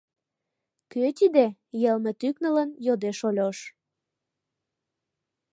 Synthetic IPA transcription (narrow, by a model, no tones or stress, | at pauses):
køt̪id̪ejelmĕt̪yknələnjod̪eʃolʲoʃ